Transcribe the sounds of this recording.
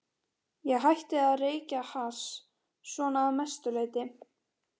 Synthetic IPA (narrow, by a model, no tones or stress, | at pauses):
jɛɣɦajht̪ɪaðreːjcahasː | vɔːnaːmɛst̪ʏleːjt̪ɪ